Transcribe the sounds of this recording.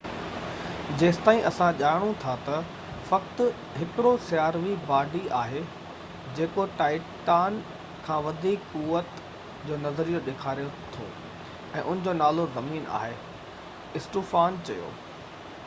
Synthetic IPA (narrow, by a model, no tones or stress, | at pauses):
d͡ʑeːsɪ̥t̪aːĩʔɐsãʄaːɪɽ̃ũt̪ʰat̪ɐ | fɐk̚t̪ʊ | ɦɪkɪɽosɪjaːɾʋibaːɖiaːɦe | d͡ʑeːkoʈaːɪʈaːn | kʰãːʋɐd̪ʱiːkkuːʋət̪ | d͡ʑoːnɐzɾijoɗeːkʰaːɾijot̪ʰo̰ː | ɛ̰̃ːʔʊn̤ɪ̆d͡ʑoːnaːlozɐmiːna̰ːɦe | ɪsʈuːfaːnt͡ɕɐjo̰ː